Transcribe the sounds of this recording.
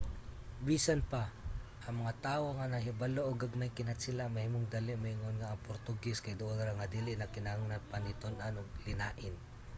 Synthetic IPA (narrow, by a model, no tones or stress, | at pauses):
biːsanpaʔɐŋmɐŋat̪aːwoŋanahɪbaloʔoɡaɡmajkɪnat̪sɪlaŋmahimoŋd̪alɪʔmahɪŋonŋaːŋpoɾt̪ʊɡɛskajd̪ʊʔonɾaŋad̪ilɪʔnakɪnaaŋnapanɪt̪onanoɡ̚lɪnaːʔɪn